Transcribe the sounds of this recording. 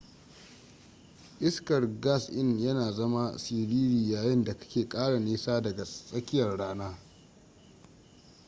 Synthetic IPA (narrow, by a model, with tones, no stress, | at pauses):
ʔɪ˦skɐ˨rɡa˦sʔɪ˦njɐ˦naː˨zɐ˦ma˦siː˨ɽiː˦ɾiː˨jaː˨jɪ˦nda˨kḁ˦kʲeː˨kʼaː˦ɽa˨neː˦saː˦dɐ˨ɡa˨sʼɐ˦kʲɪ˦jɐ˨rɽaː˦naː˦